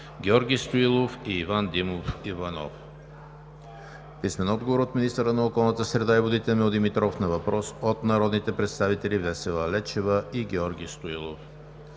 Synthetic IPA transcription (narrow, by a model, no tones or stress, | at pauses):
ɡʲɛɔɾɡʲijst̪oilˠofiːvand̪imofivɐnɔ̰f | pismɛnɔd̪ɡovoɾot̪minist̪əɾənɐokɔlˠnət̪əsɾɛd̪aivod̪it̪ɛlmɛod̪imit̪ɾɔfnɐvɐpɾɔsot̪nɐɾɔd̪nit̪ɛpɾɛt̪st̪avit̪ɛlʲivɛsɛlˠɐlɛt͡ʃɛvəiɡʲɛɔɾɡʲijst̪oilˠo̰f